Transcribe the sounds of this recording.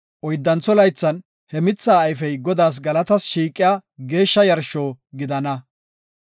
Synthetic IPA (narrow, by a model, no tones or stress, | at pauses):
ʔɔjd̪ːɐnt͡sːɔlɐjt͡sːɐn | hɛmɪt͡sːaːjfɛjɡɔd̪aːs̬ɡɐlɐt̪ɐsʃiːkʼːɪjaːɡe̞ːʃːɐjɐɾʃoːɡɪd̪ɐnɐ